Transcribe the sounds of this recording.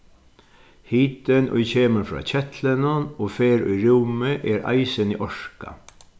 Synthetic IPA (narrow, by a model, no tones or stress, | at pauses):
hiːt̪ənʔʊ̰jçeːməfɾɑ̰ːt͡ɕɛt̪ʰlənʊnoːfeːɾʊ̰jɾuːməʔɛːɾa̰ɪsənḭːʔɔʂka̰